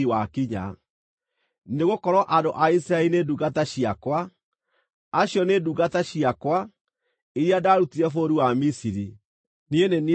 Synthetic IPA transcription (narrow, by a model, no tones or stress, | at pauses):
iwakiɲa̰ | neɣokɔɾɔʔadoʔaisɾaelineduɣataɕiakwa | ɕjɔneduɣataɕiakwa | iɾiadaɾutiɾɛfoɾiwamisiɾi | nieneni